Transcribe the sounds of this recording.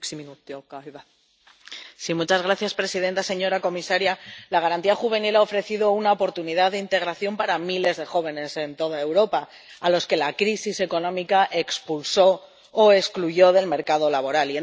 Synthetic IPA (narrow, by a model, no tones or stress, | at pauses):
simiut̪okajβa | simut͡ʃazɣɾaθjaspɾe̞siðe̞nt̪ase̞ɲo̞ɾako̞misaɾjalaɣ̞aɾant̪iaxuβe̞nilao̞fɾe̞θiðo̞unaopo̞ɾt̪uniðaððeint̪e̞ɣ̞ɾaθjo̞mpaɾamile̞zðe̞xo̞β̞e̞ne̞se̞nt̪o̞ðae̞wɾo̞paː | lo̞ske̞lakɾisise̞ko̞nõ̞mikaʔe̞kspulso̞ː | e̞skluʝo̞ðe̞lme̞ɾkað̞o̞laβo̞ɾalien